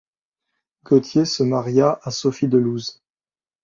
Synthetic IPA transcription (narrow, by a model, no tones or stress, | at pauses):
ɡɔt̪jesəmaʁjaʔasɔfid̪əluz